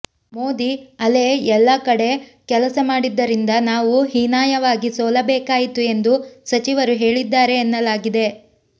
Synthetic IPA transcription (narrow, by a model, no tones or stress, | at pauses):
mo̞ːd̪iɐleːɛlːɐkɐɽe̞kɛlɐsɐmaːɽid̪ːɐɾind̪ɐnaːʋuɦinaːjɐʋaːɡisoːlɐbɛːkaːjit̪ue̞nd̪usɐt͡ʃiʋɐɾuɦe̞ːɭid̪ːaːɾe̞ːnːɐlaːɡid̪e̞